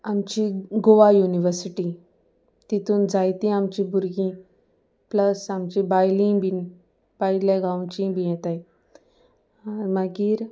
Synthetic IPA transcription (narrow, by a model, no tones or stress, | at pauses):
amt͡ɕiɡoʋajuniʋəɾsiʈi | t̪it̪uːnd͡zajt̪ĩamt͡ɕĩbʱuɾɡĩ | pləsamt͡ɕĩbajlĩbin | bajljaɡaw̃t͡ɕĩbʱijet̪aj | aɾməɡiːɾ